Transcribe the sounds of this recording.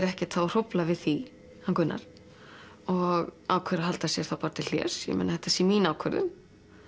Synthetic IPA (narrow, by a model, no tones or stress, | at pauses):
ɾɛhcɪt̪θawr̥ɔwplavɪðθi | hankʏnːa̰ɾ̥ | ɔɣaːwkʰvɛɾaɦalt̪asjɛɾ̥θawpaɾt̪ɪl̥jɛ̰ːsjɛ̰mɛ̰naðθɛht̪ːḁsɛmiːnaːwkʰɛɾðʏ̰m